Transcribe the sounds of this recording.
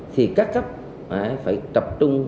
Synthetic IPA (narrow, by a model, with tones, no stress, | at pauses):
t̪ʰi˨˩kaː˦˥kːə˦˥p̚ | ʔaː˧˩faː˧˩jt̪ə˨˩p̚t͡ɕʊ˧ŋ͡m